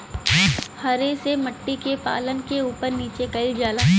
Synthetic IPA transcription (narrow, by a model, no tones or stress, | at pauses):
hɐɾesemɐʈːikepa̰ːlənkeuːpəɾniːt͡ʃekɐid͡ʒaːlaː